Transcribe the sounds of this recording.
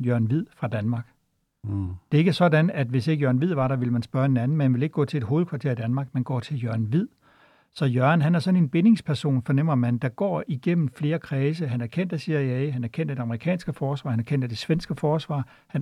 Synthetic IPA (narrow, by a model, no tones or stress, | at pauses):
jœɐnʋið̰ˠfʁɑ̈d̥ænmɑ̈ːɡ̥ | d̥e̝e̝ɡ̥əsɒ̽dænæd̥ʋe̝se̝ɡ̥əjɶɐn̩ʋið̞̰ˠʋɑ̈ɾɑ̈ʋe̝ləmænsb̥ɶɐe̝nænn̩meehænʋele̝ɡ̥ɡɔ̰̽ːt͡sʰe̝le̝d̥ɦoːð̩ˠkʰʋɑ̈t͡sʰe̝ɐ̰id̥ænmɑ̈ːɡ̥menɡ̥ɒ̰ːt͡sʰe̝ljœɐnʋið̰ˠ | sɒ̽jœɐnɦænæɐsɒ̽ne̝nb̥e̝ne̝ŋspʰæɐso̝̰ːnfɒ̽nem̰ɐmænd̥ɑ̈ɡ̥ɒ̰ːiɡ̥em̰m̩fle̝ːɐkʰʁɛːsəɦænæɐkʰen̰d̥æsiɐjæɦænæɐkʰen̰d̥edeɑ̈məʁikʰɛ̰ːnsɡ̥əfɒːsʋɑ̈ːhænæɐkʰen̰d̥æɐd̥e̝sʋensɡ̥əfɒːsʋɑ̰̈ː | hæn